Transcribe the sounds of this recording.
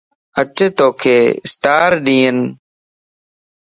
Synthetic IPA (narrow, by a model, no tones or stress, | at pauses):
ət͡ʃeːt̪oːkʰeːsʈaːɾɗĩːən